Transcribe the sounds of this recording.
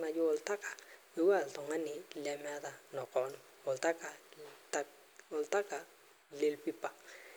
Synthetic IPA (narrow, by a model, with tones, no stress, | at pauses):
na˨jʊ˦ɔ˨lta˦kḁ˨we˨wa˦˨ltɔ˨ŋa˦nɪ˨la˨ma˦da˦nɔ˨kɔ˨n | ɔ˨lta˦ka˨ta | ɔ˨lta˦ka˨ | le˦˨lpi˦pa˨